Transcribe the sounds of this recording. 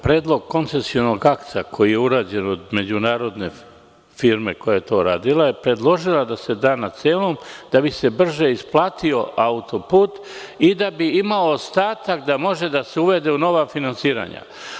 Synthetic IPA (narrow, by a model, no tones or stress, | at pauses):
pɾe̞ːd̪lˠo̞ɡ̚ko̞nt̪se̞sio̞no̞ɡakt̪sakʰo̞jije̞uɾaːd͡ʑe̞nod̪me̞d͡ʑunaːɾo̞d̪ne̞ | fiɾme̞ko̞jaje̞t̪o̞ːɾaːd̪ilaje̞pɾe̞d̪lˠo̞ʒilad̪ase̞d̪aːnaseːlomd̪̥abise̞br̩ʒe̞isplaːt̪io̞ʔaut̪o̞puːt̪ | id̪abiimao̞ːst̪aːt̪akd̪amo̞ʒe̞d̪aseuʋe̞d̪e̞uno̞ʋafinansiːɾa̰ɲa̰